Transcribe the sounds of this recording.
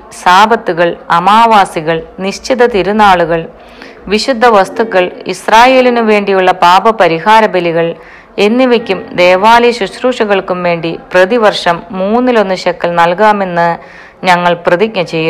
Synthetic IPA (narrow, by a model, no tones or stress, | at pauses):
saːbɐt̪ːuɣɐɭɐmaːʋaːsiɣɐɭniɕt͡ɕʰiðɐt̪iɾunːaːɭuɣɐɭ | ʋiɕud̪ʱːɐʋɐst̪ʰukːɐɭḭsraːje̞ːlinuʋe̞ːɳɖijuɭːɐpaːbɐpɐɾiɦaːɾɐbɐliɣɐɭ | e̞nːiʋekʲːumd̪e̞ːʋaːliɕuɕruːʂɐɣɐɭkumʋe̞ːɳɖiprɐðiʋɐrʂɐmːuːnːilo̞nːuɕɐkːɐlnɐlkaːme̞nːɨ | ɲɐŋːɐɭprɐðik̚ɲɐt͡ɕejːɐ